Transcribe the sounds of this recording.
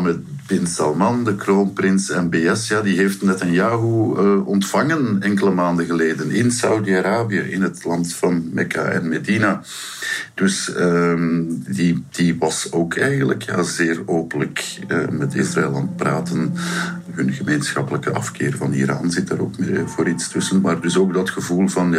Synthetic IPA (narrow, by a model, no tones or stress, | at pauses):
mə | bɪnsɑlˠmɑndəkroːnprɪnsɛmbeːɛsjaːdiɦeːftnɛtənjaːɦuɔntfɑŋənɛŋkələmaːndəɣəleːdənɪnsawdiaɾaːbiə̰ʔɪnɦətlɑntfɑnmɛka̰ʔɛ̰nmedina | d̥ɵsə | did̥iʋɑsoːkʰɛjɣənləkja̰ːzeːroːpələkə̰mɛtɪ̰sraɪlˠɑnt̚praːtən | ɦɵnɣəmeːnsxɑpələkəʔɑ̰fkɪ̰ːrvɑnḭːɾa̰ːnzɪtaɾo̰ːkmevoːɾitstʏsənmaːrdɵsoːɡdɑtxəvuːlˠvɑnja